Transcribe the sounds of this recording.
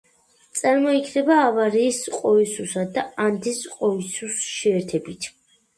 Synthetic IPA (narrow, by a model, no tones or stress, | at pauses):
t̪sʼaɾmɔikʰnɛbaːvaɾiːsqʼɔisusad̪aand̪isqʼɔisusʃɛːɾt̪ʰɛbit̪ʰ